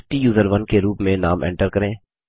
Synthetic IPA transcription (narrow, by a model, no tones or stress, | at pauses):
ʈijuːzəɾʋənkeɾuːpmẽnaːmʔɛ̰̃ːɳʈəɾkɐɾẽː